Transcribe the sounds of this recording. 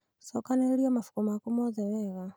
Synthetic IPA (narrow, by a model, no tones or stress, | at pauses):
sɔkaneliamafu̥kumakumɔðɛwɛɣa